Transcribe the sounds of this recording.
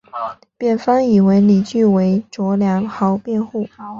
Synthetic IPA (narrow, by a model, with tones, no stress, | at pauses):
pjɛ˨˩nfɑ˥ŋi˨˩we˧˥ɪli˨˩t͡ɕy˥˩we˧˥ɪʈ͡ʂwɔ˧˥ljɑ˧˥ŋxɑ˧˥ʊpjɛ˥˧nxu˥˩